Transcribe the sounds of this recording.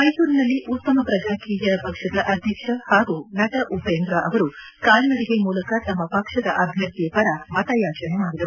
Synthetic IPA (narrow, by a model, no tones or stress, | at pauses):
mɐjsuːɾinɐlːiʔut̪ːɐmɐpɾɐd͡ʒaːkiːjɐɐpɐkʂɐd̪ɐʔɐd̪ʱjɐkʂɐhaːɡunɐʈɐʔupeːnd̪ɾaʔɐʋɐɾu | kaːlnɐɽiɡemuːlɐkɐt̪ɐmːɐpɐkʂɐd̪ɐʔɐbʱjɐɾt̪ijɐpɐɾɐmɐt̪ɐjaːt͡ʃɐnemaːɽid̪ɐɾuu